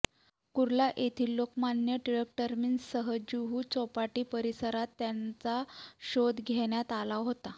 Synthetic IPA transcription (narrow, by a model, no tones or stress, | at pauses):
kuɾlaʔet̪ʰiːlːokmanjəʈiɾekʈəɾmiːnsəɦəd͡ʑuɦuːt͡sɔpaʈiːpəɾisəɾat̪ːjant͡saɕod̪ɡʱeɽjat̪alaɦot̪a